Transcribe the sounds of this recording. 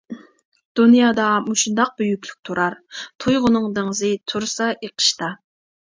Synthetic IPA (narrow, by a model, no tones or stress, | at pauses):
d̪̥unjɑːd̪ɑmuʃund̪ɑq̚b̥yjykʲlyk̚ʲt̪ʰuɾɑɾt̪ʰujʁʊnɨŋd̪ɨŋzɨt̪ʰuɾsɑjeqʰə̥ʃt̪ɑ